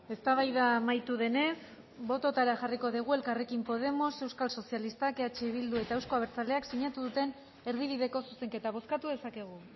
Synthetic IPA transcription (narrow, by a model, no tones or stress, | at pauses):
e̞st̪aβajðamajt̪uðe̞ne̞s | bo̞t̪o̞t̪aɾaʝariko̞ðiɣ̞ue̞lkare̞kimpo̞ð̞e̞mo̞se̞wskalso̞sialist̪akeat͡ʃeβ̞ild̪ue̞t̪ae̞wsko̞aβe̞ɾt͡sale̞aksiɲat̪uðut̪e̞n | e̞ɾðiβ̞iðe̞ko̞suse̞ŋket̪aβ̞o̞skat̪uðe̞sake̞ɣ̞u